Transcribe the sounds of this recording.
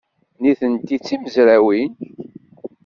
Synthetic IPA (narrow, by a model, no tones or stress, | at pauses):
niθənt̪it͡sːiməzɾæwin